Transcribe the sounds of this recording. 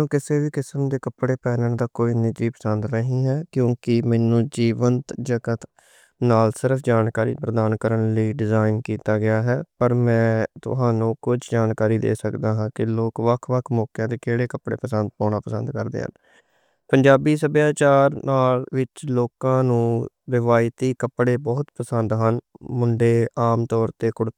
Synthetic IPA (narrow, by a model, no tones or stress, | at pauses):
õːkɪseːʋiːkɪsəmd̪eːkəpɽeːpɛːnəɳd̪aːkoːined͡ʒiːpə̥sənd̪ɾəɦĩːɦɛːkjõːkɪmɛːnũːd͡ʒiːʋənt̪d͡ʒəɡət̪ | naːlsɪɾəpʰd͡ʒaːnkaːɾḭːpɾəd̪aːnkəɾənləiːɖɪzaːɪnkiːt̪aːɡɪjaːɦɛːpəɾmɛ̃ːt̪ʊ̰ɦaːnũːkʊd͡ʒd͡ʒaːnkaːɾiːd̪ḛːsəkd̪aːɦãːkɪloːkʋəkʰʋəkʰmɔːkjãːt̪eːkeːɽeːkəpɽḛːpəsənd̪̚pɔ̃ːɳaːpəsə̃nd̪kəɾd̪ḛːɦə̰n | pəɲd͡ʒaːbiːs̬əbjaːt͡ʃaːɾnaːlʋɪt͡ʃloːkãːnũː | ʋɪʋaːɪt̪iːkəpɽeːbɔːt̪pəsənd̪ɦənmʊɳɖeːaːmt̪ɔːɾt̪eːkʊɽ